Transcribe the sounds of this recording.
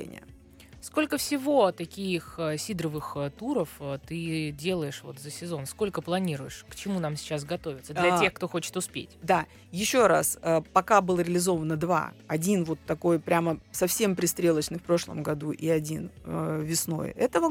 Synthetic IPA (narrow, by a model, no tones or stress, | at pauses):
nʲɪ̰ə̰ | sko̞lʲkəfsʲɪvot̪ɐkʲijxsʲid̪ɾəvɨxt̪uɾəft̪ɨdʲe̞lˠəjɪʂvo̞̰t̪zəsʲɪzo̞nsko̞lʲkəplˠɐnʲiɾʊjɪʂkt͡ɕɪmunamsʲɪ̥t͡ɕːas̬ɡɐt̪o̞vʲɪt̪səd̪ʲɐtʲe̞xkt̪o̞xo̞t͡ɕɪ̥t̪ʊspʲḛtʲd̪a | jɪɕːo̞ɾasəpɐkabɨlˠəɾʲɪlʲɪzo̞vənəd̪va̰ɐdʲinvo̞t̪ːɐko̞jpɾʲaməsɐfsʲe̞mpɾʲɪst̪ɾʲe̞lˠət͡ɕnɨfpɾo̞ʂlˠə̰mɡɐd̪uʔiɐdʲinəvʲɪsno̞̰jɛt̪əvə